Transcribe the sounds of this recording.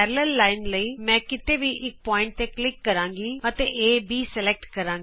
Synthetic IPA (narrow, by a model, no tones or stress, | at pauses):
ɛɾləlːaːɪnləiːmɛ̃ːkɪt̪eːʋiːʔɪk̚pɔːɪ̃ɳʈ̚t̪eːklɪkːəɾãːŋɡiːət̪eːʔeːbʱiːsɛlɛːk̚ʈkəɾãːŋɡi